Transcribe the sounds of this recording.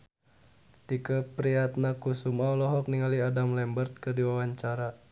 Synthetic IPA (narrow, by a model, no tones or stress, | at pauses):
t̪ikəpɾiat̪̚nakusumawlɔɦɔk̚niŋaliadamlɛmbərt̪̚kərdiwawaɲt͡ʃaɾa